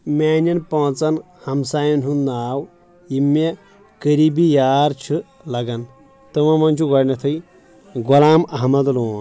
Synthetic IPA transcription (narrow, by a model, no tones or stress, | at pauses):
mʲaːnɐnpɐt͡sɐn | hɐmsaːjɐnɦund̪aːw | jimːe | kəɾibijaːɾt͡ʃʰi | lɐɡɐn | t̪ɨmɐmɐnt͡ʃʰuɡɐɽnɐt̪ʰɐj | ɡɔlaːmɐɦmɐd̪loːn